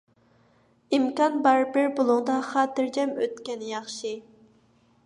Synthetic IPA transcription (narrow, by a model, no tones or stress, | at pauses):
imkɑnbɑɾbɪɾbolˠʊŋd̪ɑχɑːt̪ɪɾd͡ʒɛmø̰t̪kʲɛnjɑχʃɨ